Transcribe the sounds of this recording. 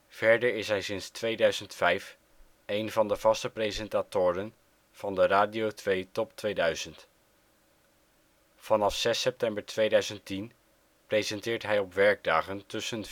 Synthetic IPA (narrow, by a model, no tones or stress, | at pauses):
v̥ɛɹdəɹɪsɦɛjsɪnstʋejdœɥzəntfɛjf | ejnvɑndəv̥ɑstəprezɛntaːtʊːɾən | v̥ɑndəraːdiowtʋejtɔptʋejdœɥz̥ənt | v̥ɑnɑfsɛsɛp̚tɛmbəɹtʋejdœɥzəntin | prezɛntɪːɹtɦɛjɔpʋɛɹɡ̚daːχəntɵsən